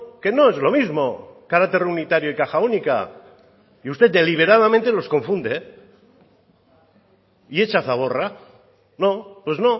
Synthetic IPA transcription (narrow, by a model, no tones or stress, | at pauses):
ke̞no̞ezlo̞mizmo̞kaɾakt̪e̞ɾunit̪aɾjoikaxaunika̰ | iust̪e̞t̪d̪e̞liβ̞e̞ɾað̞amẽnt̪e̞lo̞sko̞ɱfũnd̪e | ie̞t͡ʃaθaβ̞o̞ra | no̞pwe̞zno̞